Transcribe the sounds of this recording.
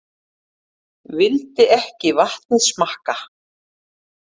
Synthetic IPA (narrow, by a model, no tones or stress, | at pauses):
vɪlt̪ɪɛhcɪvaht̪̚nɪsmahka